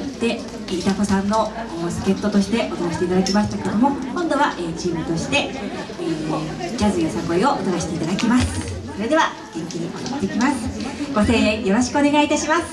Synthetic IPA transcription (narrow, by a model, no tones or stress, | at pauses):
d̪̥e̞ | it̪ako̞sãnːo̞sɨ̥ke̞t̪ːo̞t̪o̞ɕi̥t̪e̞ʔo̞t̪onaɕi̥t̪e̞it̪ad̪akʲimaɕi̥t̪akeed̪omo̞kõ̞nd̪o̞βaʔet͡ɕiːmɯ̟t̪o̞ɕi̥t̪e̞ | no | d͡ʑʲazɨjosãŋkoio̞ʔot̪onaɕi̥t̪eit̪ad̪akʲimasɨ̥so̞ɾe̞d̪e̞βa | ɡ̥ẽ̞ŋkʲiɲ̟iʔot̪ot̪ːe̞kʲimasɨ̥ɡ̥o̞se̞ːẽjo̞ɾo̞ɕi̥kɯo̞ne̞ɡait̪aɕimasɨ̥